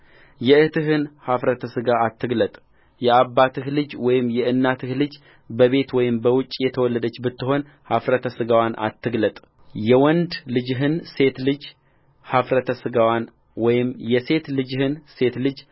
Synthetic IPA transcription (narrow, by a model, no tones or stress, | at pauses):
jɛɨt̪ɨɦɨnhafɾət̪ʰəsɨɡaːt̪ʰːɨɡlət̪ʼ | jɛaβbːat̪ʰɨhlɨd͡ʒwɔjɪmjɛʔɨnːat̪ʰɨhlɨd͡ʒ | bəβe̞t̪wɔjɪmbəwʊt͡ʃʼjɛt̪ʰəwɔlːəd̪ət͡ʃːbɨt̪ːɨɦo̞n | hafɾət̪ʰəsɨɡawanʔa̰t̪ːɨɡlət̪ʼ | jɛwɔnd̪lɨd͡ʒɦɨnse̞t̪lɨd͡ʒ | hafɾət̪ʰəsɨɡawan | wɔjɪmjɛse̞t̪lɨd͡ʒhɨnse̞t̪lɨd͡ʒ